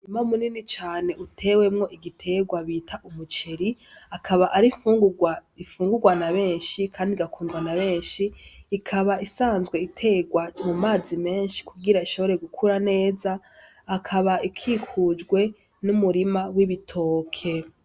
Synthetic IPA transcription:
ɲumaumuninit͡ʃaːne̞ʔutʰe̞ːwe̞mŋo̞ʔiɡitʰe̞ːɡwaβiːtʰaʔumut͡ʃe̞ɾi | akʰaβaʔaɾiɱfuːŋɡuɡwaiɱfuːŋɡuɡwanaβe̞ːnʃikʰaːndiɡakuːndwanaβe̞ːnʃiːkʰaβaʔisaːnzɡwe̞itʰe̞ːɡwamumaːzime̞ːnʃi̥kuɡiɾaiʃo̞βo̞ɾe̞ɡukʰuɾane̞ːzaː | kʰaβaikʰiːkʰud͡ʒɡwe̞ | numuɾimawiβitʰo̞ːkʰe̞

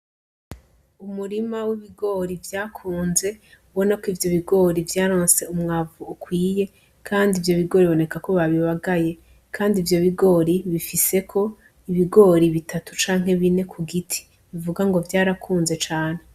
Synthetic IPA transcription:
umuɾimawiβiɡo̞ːɾivjaːkʰuːnze̞uβo̞nakoivjo̞βiɡo̞ɾivjaːɾo̞ːnse̞umŋavuːkwiːje̞ | kʰaːndivjo̞βiɡo̞ːɾiβo̞ne̞kako̞βaβiβaɡaje̞ | kʰaːndivjo̞βiɡo̞ːɾiβifise̞kʰo̞ | iβiɡo̞ːɾiβitʰatu̥t͡ʃaːŋ̥ɦe̞βine̞kʰuɡitʰi̥ | βivuɡaŋɡo̞vjaːɾakʰuːnze̞t͡ʃaːne̞

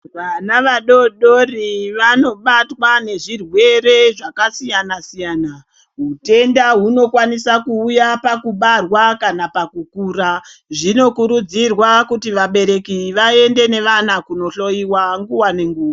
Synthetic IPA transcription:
ʋanaʋaɗo̞ɗo̞riʋano̞ɓatwane̞ʐirwe̞ɾe̞ʐakasijanasijana | ɦute̞ndaɦuno̞kwanisakuːjapakuɓarwakanapakukuːɾaʐino̞kuɾud͡zirwakutiʋaɓe̞ɾe̞kiʋae̞nde̞ne̞ʋanakuno̞ɬo̞iwaŋɡuwane̞ŋɡuːwa

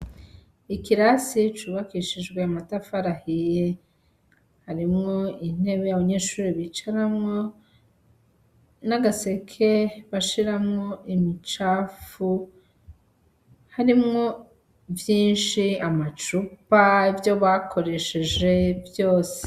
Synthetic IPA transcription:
ikiɾasit͡ʃuːβakiʃiʒɡwe̞amatafaɾahije | haɾimŋo̞in̥e̞βejaβaɲe̞ːʃuːɾiβit͡ʃaɾamŋo̞ | naɡase̞kʰe̞βaʃiɾamŋo̞imit͡ʃaːfu | haɾimŋo̞ | vjiːnʃiamat͡ʃupaivjo̞βakʰo̞ɾe̞ʃeʒe̞vjo̞ːse̥

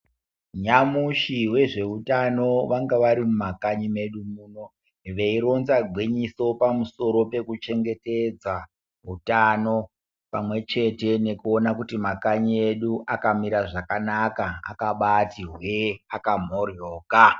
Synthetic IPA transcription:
ɲamuʃiwe̞ʐe̞utano̞ʋaŋɡaʋaɾimumakaɲime̞ɗumuːno̞ | ʋe̞iɾo̞nzaɡʱwiɲiso̞pamuso̞ɾo̞pe̞kut͡ʃe̞ŋɡe̞ted͡za | ɦutano̞ | pamwe̞t͡ʃe̞te̞ne̞kuo̞nakutimakaɲie̞ɗuʔakamiɾaʐakanakaa̰kaɓatiɦweakam̤o̞rjoːka

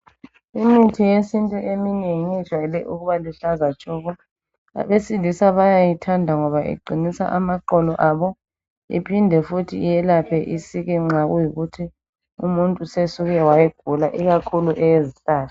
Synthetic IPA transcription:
imitʰijesintʼuʔemineŋit͡ʃwalɛʔuɣuβaliɬazat͡ʃʼɔːɣɔ | a̰βesilisaβajajitʰandʱaŋɔβaʔḭɡ͡ǃʱinisa̰ʔamaǃɔlɔʔaːβɔ | ḭpʰindʱɛfutʰḭːjɛlapʰɛʔisiɣɛŋ͡ǁʱaɣujiɣutʰi | umuntʼusesuɣɛwajɛɡ̥ʱulaʔiɣakʰuluʔɛjeziɬaːtʰɔ̥

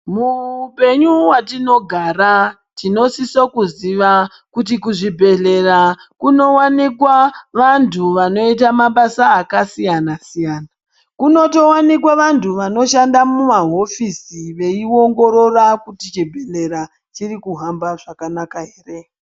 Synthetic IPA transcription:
muːpe̞ɲuwatino̞ɡʱaːɾa | tino̞sisokuziʋa | kut̬ikuʐibʱe̞ɮe̞rakuno̞wanikwaʋantʰuʋano̞it̬amaɓasaːkasijanasijaːna | kuno̞to̞wanikwaʋantʰuʋano̞ʃandamumaɦo̞fisiʋe̞io̞ŋɡo̞ɾo̞rakutit͡ʃibʱe̞ɬe̞ɾa | t͡ʃirikuɦambaʐakanakaɦeːre

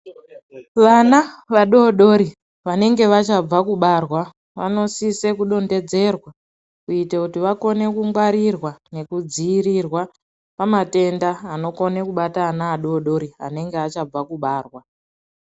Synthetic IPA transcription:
ʋanaʋaɗo̞ɗo̞ɾi | ʋane̞ŋɡe̞ʋat͡ʃab͡vakuɓaːrwa | ʋa̰no̞sise̞kuɗo̞nde̞d͡ze̞rwa | kuitakutiʋako̞ne̞kuŋɡwaɾirwane̞kud͡ziːɾirwa | pamate̞ndaːno̞ko̞ne̞kuɓataːnaːɗo̞ɗo̞ɾia̰ne̞ŋɡeat͡ʃab͡vakuɓaːrwa

